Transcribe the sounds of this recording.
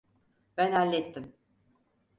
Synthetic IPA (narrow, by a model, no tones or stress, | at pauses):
b̥ænalʲːet̪ʰːim